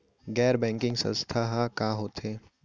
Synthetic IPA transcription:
ɡɛːɾbɛ̃ːŋkɪ̃ŋɡsə̰̃nst̪ʰaɦakaːɦoːt̪eː

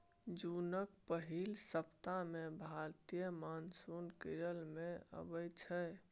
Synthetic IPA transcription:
d͡ʒunəkpəɦilsəpt̪amẽbʱaɾt̪ijəmansunkiɾəlmẽə̰bəjt͡ʃʰɛ

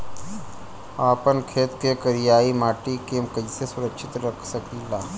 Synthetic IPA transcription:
aːpənkʰeːt̪kekəɾɪjaːimaːʈikeːmkəsesʊɾəkʃɪt̪ɾəkʰsəkilaː

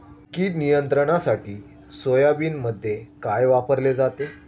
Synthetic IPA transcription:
kiːnijənt̪ɾəɽ̃asaʈiː | sojabiːnməd̪ʱːjekajʋapəɾled͡zat̪e

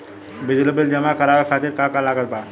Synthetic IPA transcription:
bɪd͡ʒləbəld͡ʒəmakəɾaʋəkʰat̪iɾkakalaːɡət̪̚ba

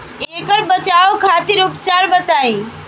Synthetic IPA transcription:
ekəɾbət͡ʃaokʰat̪iɾupt͡ʃaɾbət̪aj̃

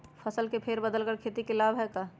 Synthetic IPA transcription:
pʰəsəlkepʰeɾbəd̪əlkəɾkʰeːt̪ikelaːbɦɛkaː

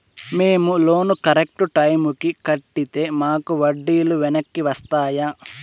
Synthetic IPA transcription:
me̞ːmulo̞ːnukɐɾek̚ʈuʈɐjmukikɐʈːit̪e̞ːmaːkuʋɐɖːiːluʋɛnɐkːiʋɐst̪aːjaː

